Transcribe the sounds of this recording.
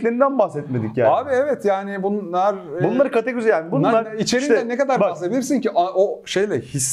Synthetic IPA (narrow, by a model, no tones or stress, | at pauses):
lʲeɾind̪ænbahsɛt̪med̪ikcjaːaːbiɛvɛt̪jaːnɪbunːˠaɾbunˠaɾɯkat̪eɡozijaːnbunːˠaɾit͡ʃʰe̞ɾind̪ɛnekad̪aɾbasebilʲiɾsinciʔaoʃejlʲɛhis